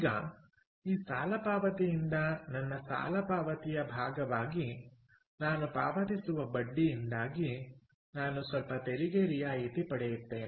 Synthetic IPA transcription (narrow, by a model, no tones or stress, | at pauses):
ɡɐ | iːsaːlɐpaːʋɐt̪ijind̪ɐnɐnːɐsa̰ːlɐpaːʋɐt̪ijɐbʱaːɡɐʋaːɡi | naːnupa̰ːʋɐt̪isuʋɐbɐɖːijind̪aːɡi | naːnusʋɐlpɐt̪eɾiɡeɾijaːit̪ipɐɽɛjut̪ːeːn